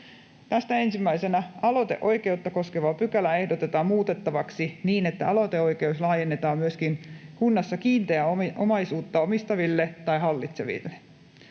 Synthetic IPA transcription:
t̪æst̪æensimːæisenæɑlo̞t̪e̞̰ʔo̞jke̞ut̪ːɑko̞skeʋɑpykælæe̞hdot̪et̪ɑːmmuːt̪et̪ːɑʋɑksiniːnet̪ːæɑlo̞t̪eo̞jke̞uslɑːjenːet̪ɑːmmyøskinkunːɑsːɑkiːnt̪eæoo̰mɑisuːt̪ːɑomist̪ɑʋilːet̪ɑjɦɑlːit̪se̞̰ʋḭlːe̥

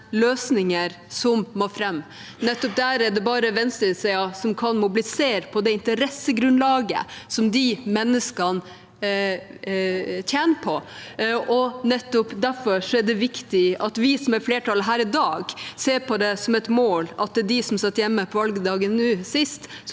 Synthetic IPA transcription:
løːsnɪŋəɾ | sɔmmoːfɾɛmː | nɛt̪ːɔp̚d̪æɾæɖɛbɑːɾəʋɛnst̪əsɛɪɑsɔmkʰɑnmʊblɪseːɾpʰɔd̪ɛɪnt̪əɾɛsːəɡɾʉnlɑːɡə̰sɔmd̪ɪmɛnːəskɑn | t̪ʰjæːnəpʰɔʔɔnɛt̪ːɔpd̪æɾfɔɾʂɔæɖ̪ɛʋɪkt̪ɪɑt̪ʋɪsɔmæɾfleːʈʰɑlɦæːɾɪd̪ɑːɡseːɾpʰɔd̪ɛsɔmɛt̪moːlɑt̪̚ɛd̪ɪsɔmsɑt̪ːjɛmːəpʰɔʋɑlɡəd̪ɑːɡənnʉːsɪst̪

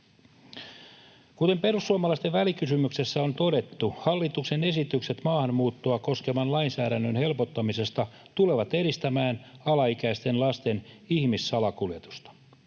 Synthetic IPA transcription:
kut̪e̞mpe̞rusːuɑmɑlɑist̪eʋʋælikysymykse̞sːæo̞nt̪o̞ɾe̞t̪ːuhɑlːit̪ukse̞ne̞sit̪ykse̞t̪mɑːhɑnmuːt̪ːuɑko̞ske̞mɑnlɑinsæːɾænːønhe̞lpo̞t̪ːɑmise̞st̪ɑ | t̪ule̞ʋɑt̪e̞ɾist̪æmæːnɑlɑikæist̪e̞nlɑst̪e̞nihmisːɑlɑkuljet̪u̥st̪ɑ̥

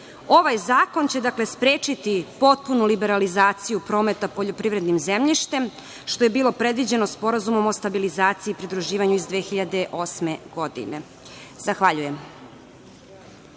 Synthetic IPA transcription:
o̞ʋajzaːko̞nt͡ɕe̞d̪akle̞spɾeːt͡ʃit̪ipo̞t̪̚punulibeɾalizaːt̪sijupɾo̞ːme̞t̪apo̞ʎo̞pɾiʋɾe̞d̪nimzemʎiʃt̪em | ʃt̪o̞je̞biːlˠo̞pɾe̞d̪ʋid͡ʑe̞no̞spo̞ɾazumo̞mo̞st̪abilizaːt̪siːpɾid̪ɾuʒiːʋaɲuizd̪ʋeːxiʎad̪e̞ʔo̞smeɡ̥o̞d̪ḭnḛ | z̥axʋaʎujem

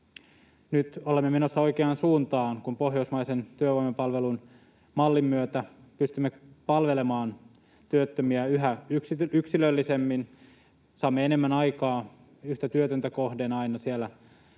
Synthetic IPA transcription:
nyt̪olemːemenosːɑo̞ikeɑnsuːnt̪ɑːŋkumpo̞ɦjousmɑjsent̪yøʋoimepɑlʋelun | mɑlːimːyøt̪æ | pyst̪ymːepɑlʋe̞lemɑːn | t̪yøt̪ːømiæyɦæyksiyksilølːisemːin | sɑːmːeene̞mːænɑjkɑː | yht̪æt̪yøt̪ønt̪æko̞hdenɑinɑsielːæ

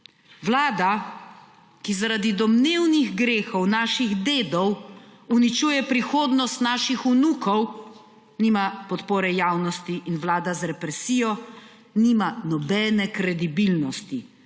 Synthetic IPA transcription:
wlaːd̪a | kizaɾad̪id̪ɔmneːwniɣɡɾeːxɔwnaːʃiɣd̪eːd̪ɔwunit͡ʃuːjɛpɾixoːd̪nɔst̪naːʃixunuːkɔw | nimapɔt̪poːɾɛjaːwnɔst̪iʔinwlaːd̪azɾɛpɾɛsiːjɔ | nimanɔbɛːnɛkɾɛd̪ibilnɔst̪i

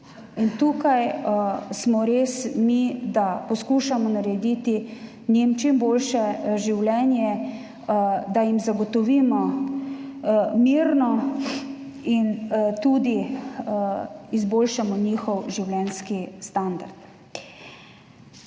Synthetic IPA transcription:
int̪uːkaj | smɔɾeːsmid̪apɔskuʃamɔnaɾɛd̪it̪i | nimt͡ʃimbolʃɛʒiwlɛnjɛ | d̪ajimzaɡɔt̪ɔʋiːmɔ | miɾnɔ | int̪uːd̪i | izboːlʃamɔniːxɔwʒiwlɛnskist̪and̪a̰ɾt̪

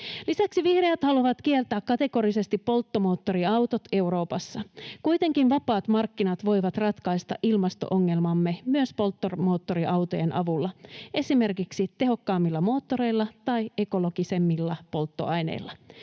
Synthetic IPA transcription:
lisæksiʋihrejæt̪hɑluʋɑt̪k̟ielt̪æːkkɑt̪eko̞ɾise̞st̪ipːo̞lt̪ːomo̞ːt̪ːo̞ɾiɑwt̪o̞t̪e̞wɾo̞ːpɑsːɑkujt̪e̞ŋkinʋɑpɑːt̪mɑrkːinɑt̪ʋo̞jʋɑt̪rɑt̪kɑist̪ɑ̰ʔilmɑst̪o̞̰ʔoŋːe̞lmɑmːe̞myøspo̞lt̪ːormo̞ːt̪ːo̞ɾiʔɑwt̪o̞jenʔɑʋulːɑe̞sime̞rkiksit̪e̞ɦo̞kːɑːmːilːɑmo̞ːt̪ːo̞ɾe̞jlːɑt̪ɑje̞ko̞lo̞ɡise̞mːilːɑpo̞lt̪ːo̞̰ɑjnḛilːɑ

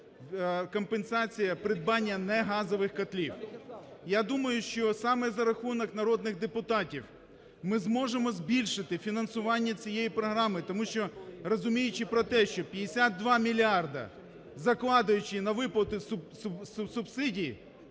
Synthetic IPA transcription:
kɔmpensɑt͡sʲijɐpɾɪd̪̚bɑnʲːɐnɛɦɑzɔʋɪxkɐt̪lʲiwjad̪umɐjʊʃt͡ʃɔsɑmɛzɐɾɐxunɔknɐɾɔd̪nɪɣd̪epʊt̪ɑtʲiw | mɪzmɔʒemɔzʲbʲilʲʃɪt̪ɪfʲinɐnsʊʋɑnʲːɐt͡sʲijejipɾɔɦɾɑmɪt̪ɔmuʃt͡ʃɔrɔzʊmʲijʊt͡ʃɪpɾɔt̪ɛʃt͡ʃɔpʲjɐd̪esʲad̪̚d̪ːʋɑmʲilʲɑrd̪ɐ̰ | zɐklˠɑd̪ɐjʊt͡ʃɪnɐʋɪplˠɐt̪ʊsʊssʊsʊbsɪdʲiji

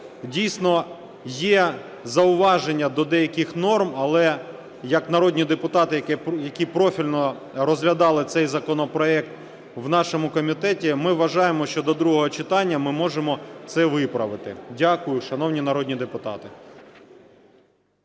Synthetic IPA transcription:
dʲijsnɔ | jɛ | zɐʊʋɑʒenʲːɐd̪ɔd̪ɛjɐkɪxnɔrmɐlˠɛ | jɐknɐɾɔdʲnʲid̪epʊt̪ɑt̪ɪjɐkɛjɐkʲipɾɔfʲilʲnɔ | ɾɔzɦlʲɐd̪ɑlˠɪt̪sɛjzɐkɔnɔpɾɔɛk̚t̪ | wnɑʃɔmʊkɔmʲit̪ɛtʲimɪʋʋɐʒɑjemɔʃt͡ʃɔd̪ɔd̪ɾuɦɔɦɔt͡ʃɪt̪ɑnʲːɐmɪmɔʒemɔt̪sɛʋɪpɾɐʋɪt̪ɪ̰dʲakʊjʊʃɐnɔwnʲinɐɾɔd̪ʲnʲid̪epʊt̪ɑ̰t̪ɪ

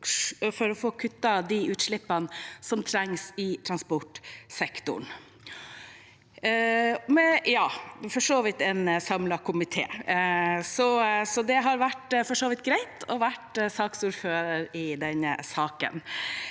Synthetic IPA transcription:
fɔɾɔfoːkʰʉt̪ːɑd̪ɪʉːt̪ʂɭɪpːənsɔmt̪ʰɾɛŋsɪt̪ʰɾɑnspɔʈsɛkt̪ʊ̰ɳ | mɛjɑːfɔʂoːʋɪt̪ɛnsɑmlɑkʰʊmɪt̪ʰḛː | sɔsɔd̪ɛɦɑɾʋæʈfɔʂoːʋɪt̪ɡɾæɪt̪ɔʋæʈsɑːksuːɾføːɾəɾɪd̪ɛnːəsɑːkə̰n

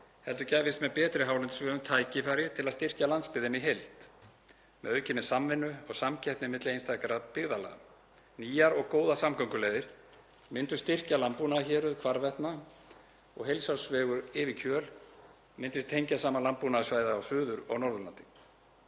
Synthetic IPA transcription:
hɛlt̪ʏcaːjvɪst̪mɛðpɛːt̪ɾɪɦaːwlɛnt̪svɛːɣʏmt̪ʰaːjcɪfaːɾjɪt̪ʰɪlaðst̪ɪr̥calant̪spɪðɪniɦejlt̪ | mɛ̰ðœɥcɪnːɪsamvɪnːʏɔɣsamcʰɛjht̪nɪmɪt̪lɪejnst̪ʰakaɾapɪɣðala̰ɣa̰ | niːjaɾɔɣkoːwðasamkʰœŋkʏlejðɪɾ̥ | mɪnt̪ʏ̥st̪ɪr̥calampunaçɛːɾʏðkʰvaɾvɛht̪na | ɔ̰ɣɦejlsawsvɛːɣʏɾɪːvɪcʰœːl | mɪnt̪ɪst̪ʰejɲcasaːmalampunasvaːjðaːwfʏːðʏɾɔ̰ɣnɔɾðʏla̰nt̪ɪ̥

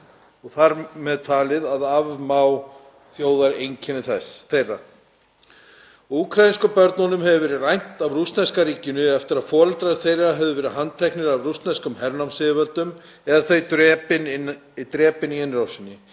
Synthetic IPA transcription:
ɔɣθaɾmɛðt̪ʰaːlɪðaðavmaw | θjoːwðaɾejɲcʰɛnɪθɛsθejrːa̰ | ukʰɾajinskʏpœɾt̪nɔnʏmhɛvʏvɛːɾɪrajn̥t̪avrust̪nɛskaɾiːcɪnʏɛft̪ɪɾaðfɔːɾalt̪ɾaðθejraɦɛvðʏvɛːɾɪɦanːt̪ʰɛhknɪɾavrust̪nɛskʏmhɛɾnawmsɪðɪvɛlt̪ʏm | ɛðaθejt̪ɾɛːpɪnɪnit̪ɾɛːpɪniɛnːɾawsɪnːɪ

